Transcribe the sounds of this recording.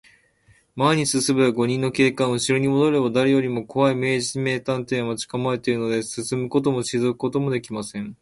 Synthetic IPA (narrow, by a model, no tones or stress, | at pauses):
maiɲ̟isɨsɨbeaɡo̞ɲ̟ĩnːo̞ke̞ːkãɰ̃ɯ̟ɕiɾoɲ̟imo̞d̪o̞ɾebad̪aɾejo̞ɾʲimo̞kʰo̞βaime̞ːʑisime̞ːt̪ãnt̪ẽ̞mat͡ɕi̥kamaet̪eɾɯno̞d̪e̞sɨsɨmɯ̟ko̞t̪̬o̞mo̞ɕizokɯ̟ko̞t̪o̞mo̞d̪e̞kʲimasẽ̞ŋ